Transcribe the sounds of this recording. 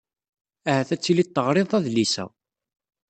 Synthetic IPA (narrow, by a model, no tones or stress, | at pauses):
æhæθæt͡sːilit̪ˤːəʁɾˤeðˤæðlisæ̰w